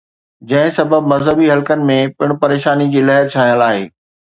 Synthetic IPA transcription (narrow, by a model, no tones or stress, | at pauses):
d͡ʑɐ̃ɦɪ̃sɐbəbmɐzɦəbiɦɐlkənɪ̆mẽpɪɽ̃pɐɾeːʃaːnid͡ʑiːlɐɦəɾt͡ɕʰaːɦĩjəlaːɦḛː